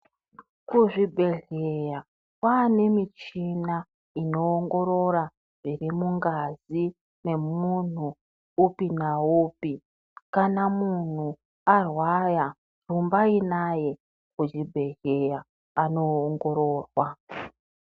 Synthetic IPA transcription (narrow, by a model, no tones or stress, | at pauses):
kuʐibʱe̞ɮeja | kwaːne̞mit͡ʃina | ino̞ːŋɡo̞ɾo̞ra | ʐ̥irimuŋɡazi | ne̞mun̤u | upinauːpi | kanamun̤u | arwaja | rumbainaje̞ | kud͡ʒibʱe̞ɮe̞jaː | no̞ːŋɡo̞ɾoːrwa